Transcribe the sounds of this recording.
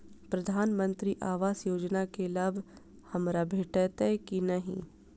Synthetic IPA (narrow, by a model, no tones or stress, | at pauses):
pɾɐd̪ʱaːnmə̃nt̪ɾiʔaːʋaːsjoːd͡ʒnakelaːbʱ | hɐmɾabʱeːʈət̪ɛkinɐɦḭ̃